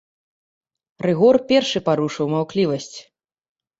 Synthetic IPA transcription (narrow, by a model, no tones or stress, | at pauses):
rɨɣɔrpʲɛrʂɨpaɾuʂɨwmawklʲivɐsʲt͡sʲ